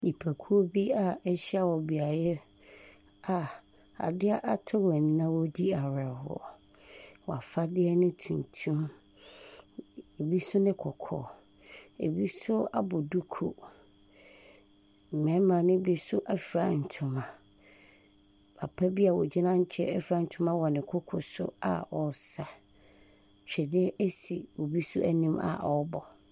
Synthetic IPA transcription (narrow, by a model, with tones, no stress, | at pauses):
i˨pʰæ˨kʰu˦o˦bi˦a˨ɛ˦ɕi˦a˦˨wɔ˨bi˨a˨jɛ˦ | a˨ | a̰˨dɪ˦a˦ʔa˦tʰɔ˦wæ˨nĩ˦nã˦wɔ˦di˦a˨ɾɛ˨ɦɔ̰˨ | wɔ˨a˨fa˦dɪ˦ɛ˦nʊ̃˦tʰũ˨ntʰũ˦m | e˨bi˦sʊ˦nɪ̃˦kʰɔ˨kʰɔ̰˨ | ḛ˨bi˦sʊ˦a˦bʊ˨du˦kʰo̰˨ | mɛ̃˨˦mã˨nʊ̃˦bi˦sʊ˦ʔɛ˨fɾa˨n̩˨tʰʊ̃˨mã˨ | pʰa̰˨pʰa˦bi˦a˨wɔ˨d͡ʑi˦nã˦ɲ̩˦t͡ɕᶣʰɛ̰˦ɛ˦fɾa˦n̩˨tʰʊ̃˦mã˦wɔ˨nɪ̃˨kʰɔ˦kʰɔ̰˨sʊ̰˦a̰˨ɔ˨sa˨ | t͡ɕʰᶣɛ˨dɪ˦ʔe˦si˨wo˨bi˦sʊ˦ʔæ˦nĩ˦ma̰˨ʔɔ˦bɔ˨